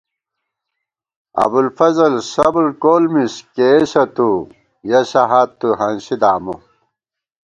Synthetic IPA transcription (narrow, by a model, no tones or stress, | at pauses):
ɐ̰bulfɐzɐlsɐblkoːlmiskeɕɐt̪u | jɐɕɐɦaːt̪ːuɦɐnɕid̪aːmu